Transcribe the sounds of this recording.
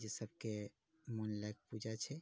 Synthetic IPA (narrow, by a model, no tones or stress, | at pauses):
d͡ʒesəb̚ʱke | mənlajk̚pud͡ʒat͡ʃʰɛ